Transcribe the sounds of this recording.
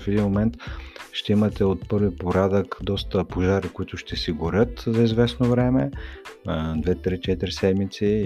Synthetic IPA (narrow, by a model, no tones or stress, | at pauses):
fɛd̪inmomɛnt̪ʃt̪ɛimɐt̪ɛot̪̚pɤɾvipoɾad̪əkd̪ɔst̪əpoʒaɾikoit̪ʊʃt̪ɛsiɡʊɾʲɤt̪zɐizvɛsnovɾɛmɛ | d̪vɛt̪ɾit͡ʃɛt̪iɾisɛd̪mit̪si